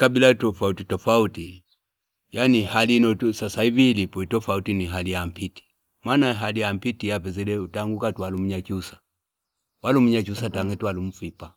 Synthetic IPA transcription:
kabilatɔfautitɔfauti | janihalinɔusasahivilipɔitɔfautiniɦalijam̩pʰiti̥ | manaɦalijam̩pitijapɛzɛlɛutaŋɡukatuwalum̩ɲat͡ʃusḁ | walum̩ɲat͡ʃusataŋɡɛtuwalum̩fipa

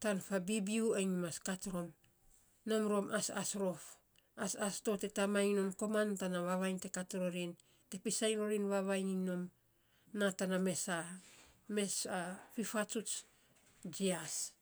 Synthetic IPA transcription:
tanfabibiuajŋmaskatɾo̞m | no̞mɾo̞mʔasa̰sɾo̞f | asasto̞te̞tamajŋno̞mko̞mantanaβaβajŋte̞katɾo̞ɾin | te̞pisajnɾo̞ɾinβaβajŋinom | nataname̞sa | me̞sapifat͡ʃut͡ʃ | d͡ʒias

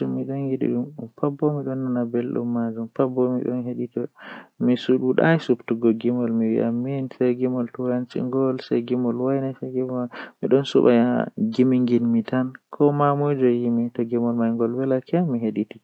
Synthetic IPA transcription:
sumːiɗoŋɡiɗḭɗumɗumpabɔmiɗɔnːanabelɗṵmːad͡ʒumpabɔmḭɗɔ̰nɦeɗitɔmisuɗuɗa̰suptuɡɔɡimɔlmiwḭʔa̰mːinsajɡimɔltuɾant͡ʃḭŋɡɔlsajɡimɔlwajnasajɡimmiɗɔnsṵɓajaɡimiŋɡinmitankʰɔmamɔd͡ʒɔjimitɔɡimɔlmajŋɡɔlwɛlakʰɛmiɦeɗiti

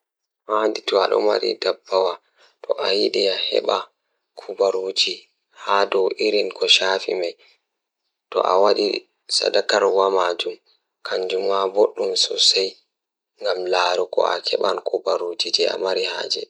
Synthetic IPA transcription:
manditɔaɗɔ̰ma̰ɾḭdabːawa | tʰɔʔajiɗijahɛ̰ɓa | kʰubaɾuːd͡ʒi | hadɔwʔiɾinkʰɔʃaːfḭma | tɔ̰ʔa̰waɗi | sa̰dakaɾwamad͡ʒum | kʰaɲd͡ʒumaboɗːumsɔsaj | ŋɡamlaːɾukɔ̰a̰kʰɛɓankʰubaɾuːd͡ʒid͡ʒɛa̰maɾiha̰ːd͡ʒɛ

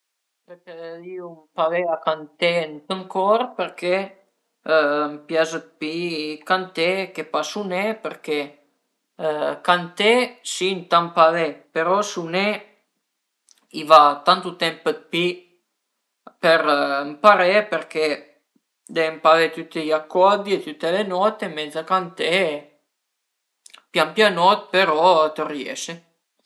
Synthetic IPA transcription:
ek̪ədiumpaveakãnt̪ent̪əŋkɔɾpəɾke | mpjazəd̪̚pikant̪ekepasunepəɾke | kant̪esint̪ampavepeɾɔsune | ivat̪ant̪ut̪ɛmpəd̪̚pi | pɛɾmpaɾepəɾke | d̪ɛmpalet̪yt̪ejakɔd̪iet̪yt̪elenɔt̪emɛzakant̪e | pjampjanɔt̪̚peɾɔt̪ɔɾjɛ̰se

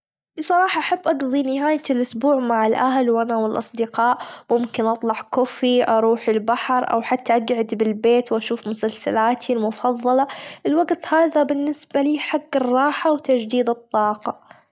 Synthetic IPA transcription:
bsˤɑɾˤɑːħɑʔaħabːʔaɡðˤinɪɦaːjalʔʊsbuːʕmaʕɪlʔaɦlwʔanawɪlʔɑ̰sˤd̪ɪqɑːʔmʊmkɪnʔɑt̪ˤlɑʕkʊfiʔɑɾˤuːħɪlbaħɾˤʔa̰wħat̪ːaʔaɡʕɪd̪bɪlbeːt̪wʔaʃuːfmʊsalsa̰laːt̪ʰilmʊfɑðˤːɑlɑʔɪlwaɡt̪haːðabɪnːɪsbaliːħaɡːɨrˤːɑːħawt̪ad͡ʒd̪iːd̪ɨt̪ˤːɑːqɑ

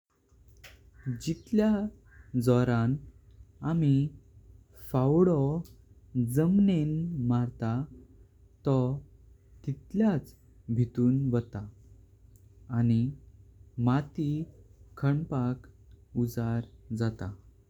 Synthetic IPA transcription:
d͡ʑit̪lja | d͡zɔɾãn | ami | fawɽɔ | d͡zəmnenmaɾt̪a | t̪ɔ | t̪it̪ljat͡s | bʱit̪uːnʋət̪a | ni | mat̪ikʰːəɳpakud͡zaɾd͡zat̪a

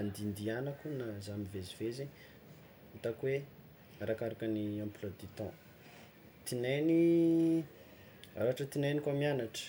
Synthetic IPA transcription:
and̪ind̪ianakunazamiveziveze | t̪akwe | aɾakaɾakəniãmplod̪it̪ɔ̃ | t̪inejni | a̰ɾaɦaʈ͡ʂət̪inejnikamianaʈ͡ʂə̥

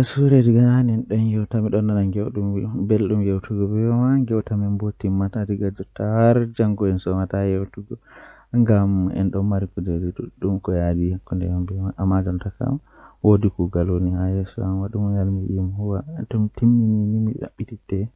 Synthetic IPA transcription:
asuɾɛdiɡanɛnɗɔnjɛwtamɛɗɔnːanaŋɡɛwɗumibelɗumjewtuɡɔbɛwmaŋɡɛwtamɛmbotːimːatadiɡad͡ʒɔtːaaɾd͡ʒaŋɡɔɛnsɔmatajewtuɡɔ | ŋɡamɛ̰nɗɔnmaɾikudɛdɛɗuɗumkɔjadihakːɔndɛ̰jambɛmaʔamːad͡ʒɔntaka̰mwodikuɡalonihajɛsɔ̰anwaɗumɔjalmiɗimhuwaɛntɔmtʰimːininimiɗa̰ɓːititːɛ

